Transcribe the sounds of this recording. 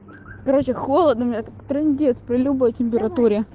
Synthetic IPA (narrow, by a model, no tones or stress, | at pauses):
kɐɾot͡ɕɪxolˠəd̪nʊmʲɪnʲat̪akt̪ɾɛnʲdʲet̪spɾʲɪlʲubəjtʲɪmʲp̬ʲɪɾɐt̪uɾʲɪ